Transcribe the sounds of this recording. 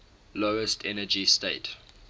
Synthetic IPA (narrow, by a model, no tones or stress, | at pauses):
loʊəstʰɛnəd͡ʒisteɪt